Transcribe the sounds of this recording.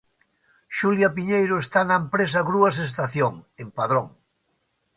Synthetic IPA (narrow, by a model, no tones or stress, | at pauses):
ʃuljapiɲejɾoest̪anaempɾes̬aɣɾuasest̪aθjoŋempaðɾoŋ